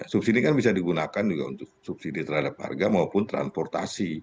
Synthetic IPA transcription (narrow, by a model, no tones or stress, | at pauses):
asup̚sidikanbisadiɡunakand͡ʒuɡaṵnt̪ʊk̚sup̚sidit̪ərhadapha̰rɡamaupʊnt̪ɾa̰nspɔrt̪a̰si